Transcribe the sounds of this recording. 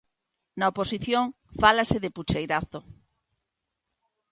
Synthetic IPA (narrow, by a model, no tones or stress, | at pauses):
nɐoposiθjoŋ | falasɪðɪput͡ʃejɾaθo